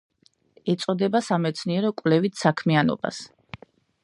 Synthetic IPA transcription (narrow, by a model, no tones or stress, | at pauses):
ɛt̪sʼɔd̪ɛbasamɛt̪sʰniɛɾɔkʼvlɛvit̪ʰsakʰmianɔ̰b̥a̰s